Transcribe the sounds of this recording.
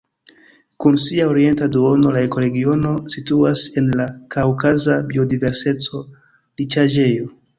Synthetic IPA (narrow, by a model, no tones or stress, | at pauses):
kunsiaoɾie̞ntaduo̞no̞lae̞ko̞ɾe̞ɡio̞no̞situase̞nlakawkazabio̞dive̞ɾse̞t͡so̞ | lit͡ʃad͡ʒe̞jo̞